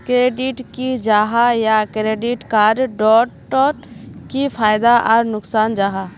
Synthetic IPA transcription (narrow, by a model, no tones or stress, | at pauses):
kɾeɖiʈkid͡ʒaːɦajakɾeɖiʈkaɖɖɔʈː | ɔ | kipʰajd̪aʔɔːɾnʊksaːnd͡ʒaːɦa